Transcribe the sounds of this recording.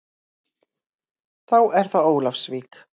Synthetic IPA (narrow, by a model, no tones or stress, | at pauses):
θawʔɛɾ̥θaoːwlafsviːk